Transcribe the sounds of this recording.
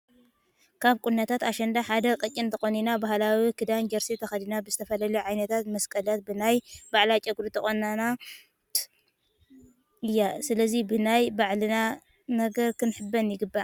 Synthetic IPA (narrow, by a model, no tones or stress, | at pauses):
kʰaβkʼunːɐt̪ʰat̪aʃɐnd̪aħad̪ɐkʼɨt͡ʃʼːɪnt̪ʰɐxoninabaɦlawikʰɨd̪and͡ʒɐɾsit̪ʰɐxɐd̪inabɨzɨt̪ʰɐfɐlɐluʕajnɐt̪ʰat̪mɐskʼɐlat̪̚bɨnajbaʕlat͡ʃʼɐɡɾut̪ʰɐxʼonːana | ɨjːasɨlɐzibɨnajbaʕlɨna | nɐɡɐɾkʰɨnħɨbːɐnjɪɡɨbːa